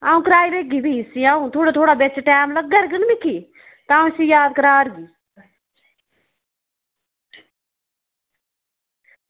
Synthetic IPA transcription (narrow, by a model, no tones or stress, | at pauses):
aːũːkɾaːiɾeːɡiːbiːsiaːũt̪ʰoːɽaːt̪ʰoːɽaːbet͡ʃʈɛːmləɡːəɾɡənmɪkʰiː | t̪ãːũsiːjaːd̪̚kəɾaːɾɡiː